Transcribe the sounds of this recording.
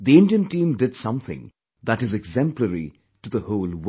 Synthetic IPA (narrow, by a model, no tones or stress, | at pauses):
ðiɪ̃nɖiə̃nʈĩːmdɪdsʌ̃mθɪ̰̃ŋ | ðæʈɨzɨɡzɛ̃mpləɾḭ | ʈud̪əhoːlˠw